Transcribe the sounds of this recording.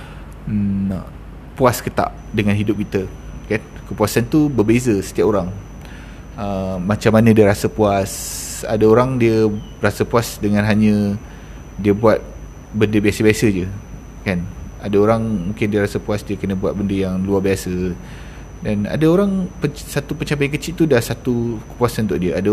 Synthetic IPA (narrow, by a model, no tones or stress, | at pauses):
puaskət̪a̰ʔ | dəŋanɦidʊp̚kit̪ə | kan | kəpuasant̪ubəbezəsə̥t̪iapoɾaŋ | əmat͡ʃamːanə̃diəɾasəpuasa̰daoɾaŋdiə | rasəpuasdəŋanɦaɲə̃ | diəbuat̪̚ | bəndəbiasəbiasəd͡ʒə | kanadaoɾaŋmũŋkɪndiəɾasəpuasdiəkənə̃buat̪̚bəndəjaŋluabiasə | dana̰daoɾaŋpəsat̪upəɲt͡ʃampajnŋkət͡ʃiʔt̪udahsat̪ukə̥puasannt̪ʊ̰ʔdiəada